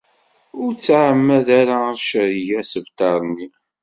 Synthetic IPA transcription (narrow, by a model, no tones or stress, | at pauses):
ʊɾt͡sːʕəmːæðaɾaʃəɾiʝæsəvt̪ɑɾˤmi